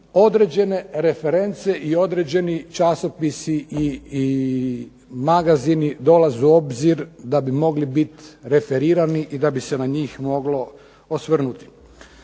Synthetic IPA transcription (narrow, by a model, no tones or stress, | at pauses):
o̞d̪ɾe̞d͡ʑe̞ne̞ɾe̞feɾe̞nt̪se̞ʔio̞d̪ɾed͡ʑe̞nit͡ʃasopisiʔii | maɡazinid̪o̞lazuo̞bziɾd̪abimo̞ɡlibit̪ɾe̞fe̞ɾiːɾaniʔid̪abise̞naɲiːxmo̞ɡlo̞ | osʋr̩nut̪i̥